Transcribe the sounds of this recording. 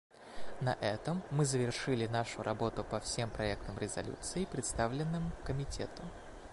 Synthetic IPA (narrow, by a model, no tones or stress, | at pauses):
nɐ̰ʔɛt̪əmːɨzəvʲɪrʂɨlʲɪnaʂʊɾʔɐbo̞t̪ʊpɐfsʲe̞mpɾɐɛk̚t̪əmɾʲɪzɐ̰lʲṵt̪sɨɪpɾʲɪt̪st̪avlʲɪnːɨmʊkəmʲɪtʲʰet̪ʊ